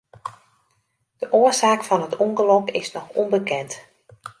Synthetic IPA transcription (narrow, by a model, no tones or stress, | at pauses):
d̥əʔoəsaːkfɑnɦətʰuŋɡəlɔkɪ̰snɔxɔnbəkɛnt